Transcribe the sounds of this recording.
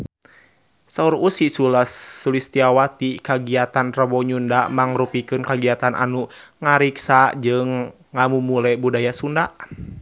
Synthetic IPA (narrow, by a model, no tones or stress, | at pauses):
sauɾusisulasːulist̪iawat̪ikaɡiat̪anrəbɔɲundamaŋɾupikɨnkaɡiat̪anʔa̰nuŋaɾiksad͡ʒɨŋː | amumulɛbudajasundaʔ